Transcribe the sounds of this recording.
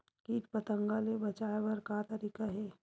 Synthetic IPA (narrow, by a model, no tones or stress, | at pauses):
kiːʈ̚pət̪ə̃ŋɡalebɐt͡ʃaːebɐɾkat̪ɐɾiːkaɦɛː